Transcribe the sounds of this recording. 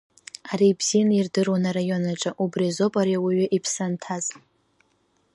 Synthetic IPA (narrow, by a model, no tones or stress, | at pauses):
aɾibz̥ijanairdɨrwanaɾajo̞naʈ͡ʂʼaʔubrizo̞pʼaɾiawiɥɪʔipʰsantʰaz